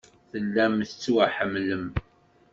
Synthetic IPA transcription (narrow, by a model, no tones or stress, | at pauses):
θəlːæmθət͡sːuwaħəmːləm